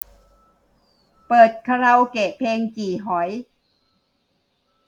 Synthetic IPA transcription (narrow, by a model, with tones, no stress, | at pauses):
pɤː˨˩t̪̚kʰa˧ɾa˧wkeː˨˩pʰeː˧ŋt͡ɕiː˨˩ɦɔ˩˦j